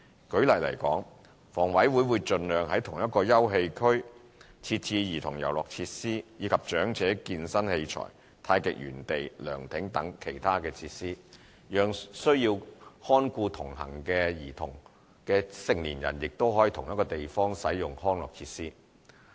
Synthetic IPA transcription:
kɵ˨˥ɥlɐ˨˩jlɐ̰˨˩jkɔ̰ː˨˥ŋ | fɔː˨˩ŋwɐ˨˥jwuː˨˧˥jwuː˨˧jt͡ʃɵ˧nlœː˨ŋhɐ˨˥jt̪ʰʊ˨˩ŋjɐ˥t̚kɔː˧jɐ˥wɦe˧jkʰɵ˥ɥ | t͡sʰiː˧t̚t͡sʰiː˧jiː˨˩t̪ʰʊ˨˩ŋjɐ˨˩wlɔː˨k̚t͡sʰiː˧t̚siː˥jiː˨˧kʰɐ˨p̚t͡ʃœː˨˥ŋt͡sɛː˨˥kiː˧nsɐ˥nhe˧jt͡ʃʰɔ̰ː˨˩j | t̪ʰaː˧jkɪ̰˨k̚jy̰ː˨˩nt̪e˨jlœ̰ː˨˩ŋt̪ʰɪ˨˥ŋt̪ɐ˨˥ŋkʰe˨˩jt̪ʰaː˥kɛː˧t͡sʰiː˧t̚siː˥ | jœː˨˧ŋsɵ˥ɥji˧whɔː˥nkʷuː˧t̪ʰʊ˨˩ŋɦɐ̰˨˩ŋkɛː˧jiː˨˩t̪ʰʊ˨˩ŋ | kɛː˧sɪ˨ŋliː˨˩njɐ̰˨˩njɪ˨k̚t̪o˥wɦɔː˨˥ji˨t̪ʰʊ˨˩ŋjɐ˥t̚kːɔː˧t̪e˨jfɔː˥ŋsɐ˨˥jjʊ˨ŋhɔː˥nlɔ̰ː˨k̚t͡sʰiː˧t̚siː˥

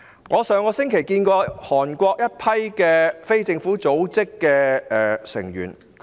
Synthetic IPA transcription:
ŋʔɔː˨˧sœː˨˧ŋkɔː˧sɪ˥ŋkʰe˨˩jkiː˧nkɔː˧hɔː˨˩nkʷɔː˧k̚jɐ˥t̚pʰɐ˥jkɛː˧fe˥jt͡sɪ˧ŋfuː˨˥t͡so˨˥wt͡sɪ˥kːɛː˧ɛ˨sɪ̰˨˩ŋɥy̰ː˨˩n

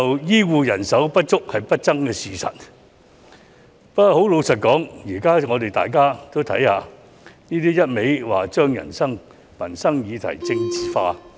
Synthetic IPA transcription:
ɐ˨wjiː˥wuː˨jɐ˨˩nsɐ˨˥wpɐ˥t̚t͡ʃʊ˥k̚hɐ˨jpɐ˥t̚t͡sɐ˥ŋkɛː˧siː˨˩sɐ̰˨t̚ | pɐ˥ɔ˨˧ho˨˥wlo˨˧wsɐ˨t̚kɔː˨˥ŋjiː˨˩kaː˥ŋɔː˨˧t̪e˨jt̪a̰ː˨˩jk̬aː˥t̪o˥wt̪ʰɐ̰˨˥jha̰ː˨˧ | niː˥t̪iː˥jɐ˥t̚me˨˥jwa̰ː˨˩t͡ʃœː˥ŋjɐ̰˨˩nsɐ˥ŋ | mɐ˨˩nsɐ˥ŋjiː˨˧t̪ʰɐ̰˨˩jt͡sɪ˧ŋt͡siː˨faː˧

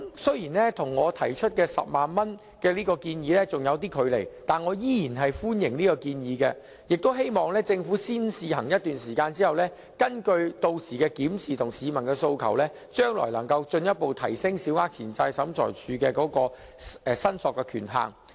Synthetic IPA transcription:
sɵ˥ɥjiː˨˩nlɛ˥t̪ʰʊ˨˩ŋːɔː˨˧t̪ʰɐ˨˩jt͡ʃʰɵ˥t̚kɛː˧sɐ̰˨p̚maː˨nmɐ˥n | kɛː˧liː˥kɔː˧kiː˧njiː˨˧lɛː˥t͡sʊ˨ŋjɐ˨˧wt̪̬iː˥kʰɵ˨˧ɥle˨˩jt̪aː˨nŋɔː˨˧jiː˥jiː˨˩nɦɐ˨jfuː˥njɪ˨˩ŋniː˥kɔː˧kiː˧njiː˨˧kɛ̰ː˧ | jɪ˨k̚t̪o˥wɦe˥jmɔː˨˩ŋlɛː˥t͡sɪ˧ŋfuː˨˥siː˥nsiː˨˧ɦɐ˨˩ŋjɐ˥t̪yː˨nsiː˨˩kaː˧nt͡siː˥hɐ˨˩wlɛː˥ | kɐ˥nkɵ˧ɥt̪o˧wsiː˨˩kɛː˧kiː˨˥msiː˨t̪ʰʊ˨˩ŋsiː˨˧mɐ˨˩nkɛː˧so˧wkʰɐ̰˨˩wlɛː˥ | t͡ʃœː˥ŋlɔ̰ː˨˩jlɐ˨˩ŋkɐ˧wt͡ʃɵ˧njɐ˥t̚po˨wt̪ʰɐ˨˩jsɪ˥ŋsi˨˥wŋaː˦˥k̚t͡sʰiː˨˩nt͡sɐ˧jsɐ˨˥mt͡sʰɔ̰ː˨˩jt͡ʃʰyː˨˧kɛː˧kɔː˨˥kɔː˧ | ɛ˨sɐ˥nsɔː˨kːɛ˧kʰy̰ː˨˩nɦa̰ː˨˩ŋ

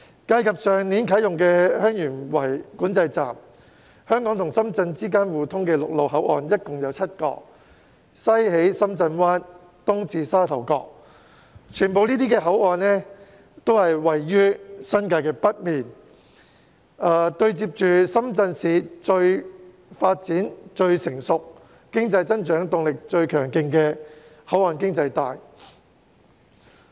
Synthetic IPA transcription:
kaː˧jkʰɐ˨p̚sœː˨ŋniː˨˥nkʰɐ˨˥jʊ˨ŋkɛː˧hœː˥ŋjyː˨˩nwɐ˨˩jkuː˨˥nt͡sɐ˧jt͡sa̰ː˨˩m | hœː˥ŋkɔː˨˥ŋt̪ʰʊ˨˩ŋsɐ˥mt͡sɐ˧nt͡siː˥k̬aː˥nwuː˨t̪ʰʊ˥ŋkɛː˧lʊ˨k̚lo˨˧wɦɐ˨˥wʔɔ̰ː˨˧njɐ˥t̚kʊ˨˩ŋjɐ˨˧wt͡sʰɐ˥t̚kɔ̰ː˧ | sɐ˥jɦe˨˥jsɐ˥mt͡sɐ˧nwaː˥n | t̪ʊ˥ŋt͡siː˧saː˥t̪ʰɐ˨˩wkɔː˧k̚ | t͡ʃʰyː˨˩npo˨˧wniː˥t̪iː˥kɛː˧ɦɐ˨˥wɔː˨nnɛ˥ | t̪o˥whɐ˨jwɐ˨jːyː˥sɐ˥nkaː˧jkɛː˧pɐ˥t̚miː˨n | ɐː˨t̪ɵ˧ɥt͡siː˧p̚t͡ʃyː˨sɐ˥mt͡sɐ˧nsiː˨˧t͡ʃɵ˧ɥ | faː˧t̚t͡siː˨˥nt͡ʃɵ˧ɥsɪ˨˩ŋsʊ˨k̚ | kɪ˥ŋt͡sɐ˧jt͡sɐ˥nt͡ʃœː˨˥ŋt̪ʊ˨ŋlɪ˨k̚t͡ʃɵ˧ɥkʰœː˨˩ŋkɪ˧ŋkɛː˧ | hɐ˨˥wɔː˨˧nkɪ˥ŋt͡sɐ˧jt̪aː˨j

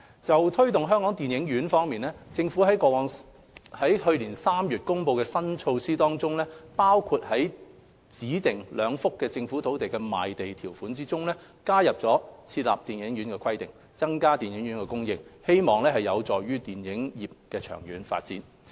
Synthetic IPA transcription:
t͡sɐ˨wt̪ʰɵ˥ɥt̪ʊ˨ŋɦœː˥ŋkɔː˨˥ŋt̪i˨njɪ˨˥ŋjyː˨˥nfɔː˥ŋmiː˨˩nlɛː˥t͡sɪ˧ŋfu˨˥ɦɐ˨˥jkɔː˧wɔː˨˧ŋ | hɐ˨˥jhɵ˧ɥliː˨˩nsaː˥mjyː˨˩t̚kʊ˥ŋpo˧wkɛː˧sɐ˥nt͡ʃʰo˧wsiː˥t̪ɔː˥ŋt͡sʊ˥ŋlɛː˥paː˥wkʰuː˧t̚hɐ˨˥j | t͡siː˨˥t̪ɪ˨˩ŋlœː˨˧ŋfʊ˥kːɛː˧t͡sɪ˧ŋfuː˨˥t̪ʰo˨˥wt̪e˨jkɛ˧ma̰ː˨jt̪e˨jt̪ʰiː˨˩wfuː˨˥nt͡siː˥t͡sʊ˥ŋlɛː˥ | kaː˥jɐ˨p̚t͡sɔː˨˥t͡sʰiː˧t̚la̰ː˨p̚t̪iː˨njɪ˨˥ŋɥyː˨˥nkɛː˧kʰɐ˥jt̪ɪ˨˩ŋ | t͡sɐ˥ŋkaː˥t̪iː˨˩njɪ˨˥ŋɥyː˨˥nkɛː˧kʊ˥ŋjɪ˧ŋ̚he˥jmɔː˨ŋlɛː˥hɐ˨˩jɐ˨˧wt͡sɔː˨jɥyː˥t̪iː˨˩njɪ˨˥ŋjiː˨˩p̚kɛː˧t͡ʃʰœ̰ː˨˩ŋjyː˨˥nfa̰ː˧t̚t͡sḭː˨˥n

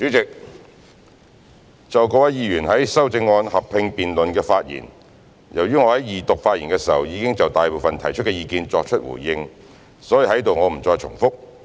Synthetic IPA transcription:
sy˨˥t͡sɪ˨k̚ | t͡sɐ˨wkɔː˧˥wɐ˨˥jiː˧ɥyː˨˩nɦɐ˨˥jsɐ˥wt͡sɪ˧ŋːɔː˧nhɐ˨p̚ʰɪ˧ŋpiː˨nlɵ˨nkɛː˧faː˧t̚jḭː˨˩n | jɐ˨˩wɥyː˥ŋɔː˨˧hɐ˨˥jiː˨t̪ʊ˨k̚faː˧t̚iː˨˩nkɛː˧siː˨˩hɐ̰˨wjiː˨˧kɪ˥ŋt͡sɐ˨wt̪aː˨jpo˨wfɐ˨nt̪ʰɐ˨˩jt͡ʃʰɵ˥t̚kɛː˧jiː˧kiː˧nt͡sɔː˧k̚t͡ʃʰɵ˥t̚wṵː˨˩jjɪ˧ŋ | sɔː˨˥ji˨˧hɐ˨˥jt̪o˨wŋɔː˨˧m̩˨˩t͡sɔː˧jt͡ʃʰʊ̰˨˩ŋfʊ˥k̚

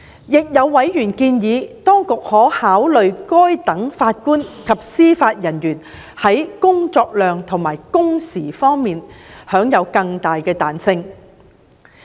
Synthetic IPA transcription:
jɪ˨k̚jɐ˨˧wːɐ˨˥jjyː˨˩nkiː˧njiː˨˧t̪ɔː˥ŋkʊ˨k̚hɔː˨˥haː˨˥wlɵ˨ɥkɔː˥jt̪ɐ˨˥ŋfaː˧t̚kuː˥nkʰɐ˨p̚siː˥faː˧t̚jɐ˨˩njyː˨˩n | hɐ˨˥jkʊ˥ŋt͡sɔː˧k̚lœː˨ŋt̪ʰʊ˨˩ŋmaː˨˩jkʊ˥ŋsiː˨˩fɔː˥ŋmiː˨nhœː˨˥ŋjɐ˨˧wkɐ˧ŋt̪aː˨jkɛː˧t̪aː˨nsɪ˧ŋ

